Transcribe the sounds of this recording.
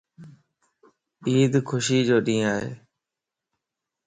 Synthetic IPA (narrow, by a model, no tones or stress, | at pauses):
iːd̪kʰʊʃiːd͡ʒoːɗĩːaːɦḛː